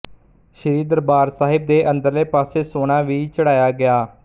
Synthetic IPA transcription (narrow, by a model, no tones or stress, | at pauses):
ʃəɾiːd̪əɾbaːɾsaːɦɪb̚d̪eːʔə̃nd̪əɾleːpaːseːsoːɽ̃ãːʋiːt͡ʃəɽaːjaːɡɪaː